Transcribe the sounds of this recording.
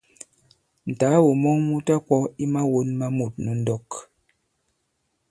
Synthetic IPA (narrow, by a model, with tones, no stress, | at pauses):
n̩˨taː˨˦wo˨mɔ˦ŋmu˦ta˦kɔ˦i˦ma˦wo˦nma˦mu˨t̚nu˨˦n̩˦dɔ˦k